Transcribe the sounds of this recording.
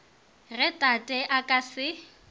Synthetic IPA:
rɛtʼatʼɛʔakʼasɪ

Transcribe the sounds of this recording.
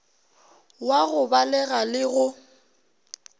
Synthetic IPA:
waɣʊbalɛɣalɪɣʊ

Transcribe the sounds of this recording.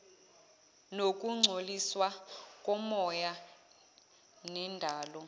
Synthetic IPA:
nokʼuŋ͡ǀʱoliswakʼɔmɔja | nɛndʱaːlɔ

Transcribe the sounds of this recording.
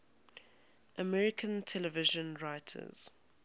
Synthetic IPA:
ʔəmɛɹɪkʰə̃ntʰɛlɛvɪʒə̃nɹaɪtʰə̰z̥

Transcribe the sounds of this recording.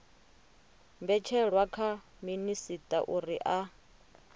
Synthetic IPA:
mbɛt͡ʃʰɛɺwakʰa | minisitʼaʔuɾiʔa

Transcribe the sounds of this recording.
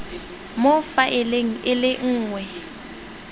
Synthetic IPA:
mʊfaʔɪleŋ̩ɪlɪŋ̩ːŋwɛ

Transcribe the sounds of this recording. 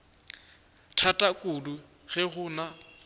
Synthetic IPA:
tʰatʼakʼulu | ɣɛɣʊna

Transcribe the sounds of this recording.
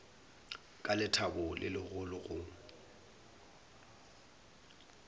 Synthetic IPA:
kʼalɪtʰabʊlʔɪ̰lɪɣʊlʊɣʊ

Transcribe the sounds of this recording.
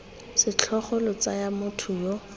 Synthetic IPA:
sɪt͡ɬʰɔχɔlʊt͡sajamʊtʰʊjɔ

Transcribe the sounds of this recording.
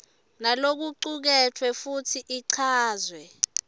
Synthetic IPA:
nalok̬uǃuk̬ɛtʰwɛfutʰiʔiǀʰaːzwɛ

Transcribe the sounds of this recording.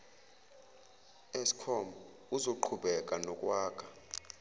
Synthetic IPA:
esi̥kʰɔmbɔ | uzoǃʰuɓɛkʼanɔkʼwaːkʰʼa

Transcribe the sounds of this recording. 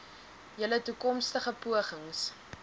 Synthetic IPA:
jələtukɔmstəχəpuəχəŋs

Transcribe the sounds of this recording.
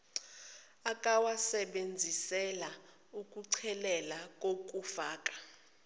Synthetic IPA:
akʼawasɛɓend͡zʱisɛla | ukʼuǀʰɛlɛlakʼok̬ʼufaːk̬ʼḁ

